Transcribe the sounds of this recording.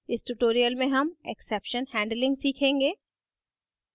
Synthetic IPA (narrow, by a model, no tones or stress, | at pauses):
ɪsʈuːʈoːɾijəlmẽɦɐmeksɛːpʃənhɛ̃ːɳɖlɪ̃ŋɡsiːkʰẽːŋɡeː